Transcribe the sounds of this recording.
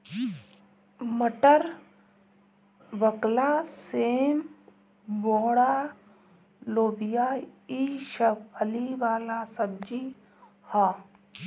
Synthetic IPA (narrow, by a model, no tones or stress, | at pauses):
məʈəɾ | ʋəklaːseːm | boːɽa | loːbijaiʃəpʰəliʋaːlaːsəb̚d͡ʒi | haː